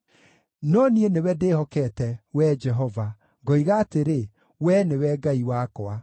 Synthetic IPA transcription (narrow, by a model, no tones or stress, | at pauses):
nɔnienewɛdehɔkɛtɛwɛd͡ʒɛɦɔva | ɡɔiɣaːteɾe | wɛnewɛɡaiwakɔa